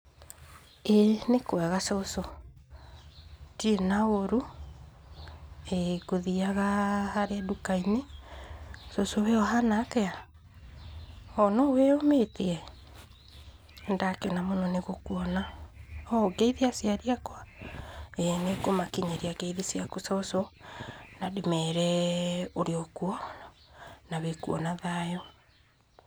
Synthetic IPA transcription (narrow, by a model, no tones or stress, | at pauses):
enekwɛɣasɔso | tienaoɾu | eɡoðiaɣahaɾeadukaine | sosoweɔɦanakɛa | ɔnɔweometeɛ | ndakɛnamonɔneɣokuɔnaɔɡeiðiasiaɾiakwa | ɛnekomakiɲeɾiaɡeiðisiakusɔsɔ | nadimɛɾɛoɾeɔkuɔ | naβekuɔnaðaːjɔ